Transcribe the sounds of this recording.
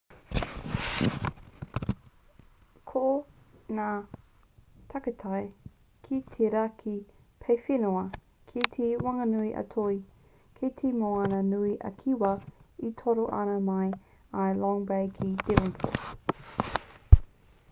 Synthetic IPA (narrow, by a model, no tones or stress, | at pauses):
kʰonaː | tʰɐkətʰaj | kʰit̪ʰeɾakʰi | pʰejfinoɐ | kʰit̪ʰewɐŋɐnuiʔɐ̰tʰoi | kʰetʰemoɐnənuiʔɐ̰kʰiwɐitʰoɾoʔɐ̰nɐmɐj | ɐlɔŋbejkʰid̥ɪvənpʰo̰